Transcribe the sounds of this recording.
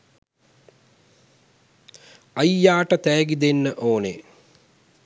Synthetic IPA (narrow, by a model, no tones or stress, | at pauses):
ɐjjːaːʈət̪æːɡid̪enːəʔoːne